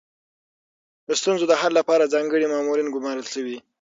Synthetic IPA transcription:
d̪əst̪unzod̪əɦalːapɑɾad͡zɑŋɡəɽimɑmuɾinɡʊmɑɾəlʃəwi

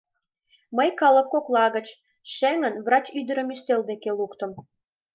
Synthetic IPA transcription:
məjkɑlə̆kːoklˠɑɣət͡ɕ | ʃeŋənvrɑt͡ɕyd̪ə̆ɾə̆myst̪eld̪ekelukt̪ə̆m

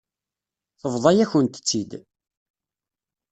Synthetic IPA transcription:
θəvðˤɑjæçənt̪ə̥t͡sːid̪

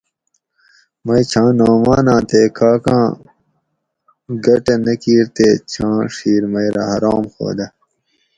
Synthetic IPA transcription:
mɐjt͡ɕʰãːnoːmaːnãːt̪eːkaːkãː | ɡɐʈɐnɐkiːɾt̪eːt͡ɕʰãːʂiːɾmɐjɾɐ̰ɦɐɾaːmxo̰ːd̪ɐ

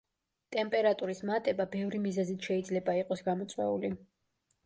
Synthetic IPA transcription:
t̪ʼɛmpʼɛɾat̪ʼuɾismat̪ʼɛbabɛvɾimizɛzit̪ʰʃɛid̪zlɛbaiqʼɔsɡamɔt̪sʼwɛ̰uli

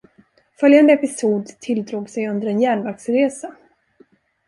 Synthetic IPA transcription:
fœljand̪əɛpɪsuːd̪t̪ʰɪld̪ɾuːɡsɛjɵnd̪əɾɛnjæːɳvaksɾeːsa

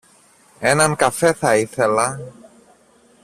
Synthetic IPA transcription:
e̞nɐŋkɐfe̞θɐiθe̞lɐ

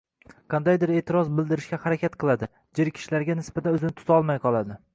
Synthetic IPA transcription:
qʰɑnd̪ajd̪ɪɾe̞ːt̪ʰɪɾɒzbɪld̪ɪɾɪʃkʲahaɾakʲat̪qʰɨlˠad̪ɪ | d͡ʒɪɾkʲʰɪ̥ʃlaɾɡʲanɪsbat̪ʰanɵzɪnɪt̪ʰʊ̥t̪ʰɒlˠmajqʰɒlˠad̪ɪ

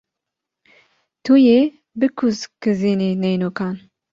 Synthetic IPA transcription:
t̪ʰujeː | bɨkʰuzkɨziːniːnɛjnukaːn

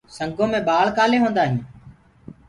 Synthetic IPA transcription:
səŋɡõːmẽːbaːɭkaːleːɦõːnd̪aːɦĩː

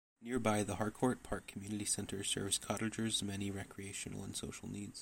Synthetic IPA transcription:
nɪɹbaɪðəhɑɹd̚kʰɔɹt̚pʰɑɹkʰmjʉnɨɾisɛ̃ntʰə˞sɜ̰˞vz̥kʰɑɾd͡ʒə˞zmɛniɹɛkʰɹieɪʃn̩l̩ˠə̰̃nso̰ʊʃl̩ˠnidz̥

